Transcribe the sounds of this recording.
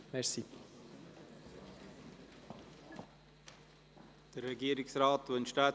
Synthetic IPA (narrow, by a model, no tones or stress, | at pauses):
mɛsi | d̪̥əɾɛɡiːəɾɪksraːtvønʃtaː